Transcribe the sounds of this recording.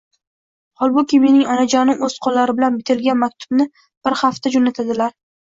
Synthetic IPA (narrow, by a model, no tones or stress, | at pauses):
hɒlˠbʊkʲɪme̞nɪŋɒnad͡ʒaɾnɪŋɵz̥qʰɒlːaɾɪbɪlanbɪt̪ʰɪlɡʲanmak̚ʲt̪ʰʊ̥bnɪ | b̥ɪɾhaft̪ʰad͡ʒonat̪ʰad̪ɪlaɾ